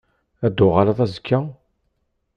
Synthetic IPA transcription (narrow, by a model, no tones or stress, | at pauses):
æd̪ʊʁalɑðˤæzəkʰːæ